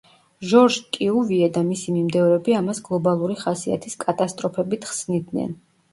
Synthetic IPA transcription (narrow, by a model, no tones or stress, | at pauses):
ʒɔɾʒkʼiuviɛd̪amisimimd̪ɛvɾɛbiamasɡlˠɔbalˠuɾiχasia̰t̪ʰiskʼat̪ʼast̪ʼɾɔpʰɛbit̪ʰχsnid̪nɛ̰n